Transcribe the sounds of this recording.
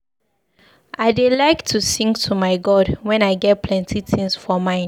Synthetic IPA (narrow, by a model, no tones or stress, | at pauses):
ʔaɪdelaɪktʰusĩŋɡtʰumaɪɡɔdwɛ̃naɪɡɛt̚pʰlɛ̃ntʰitʰĩŋsfɔmãɪ̃n